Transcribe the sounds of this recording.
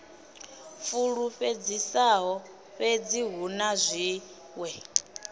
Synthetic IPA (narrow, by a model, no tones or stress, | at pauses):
fuɺuɸed͡zisaɦɔ | ɸed͡ziɦunazʷi | wɛ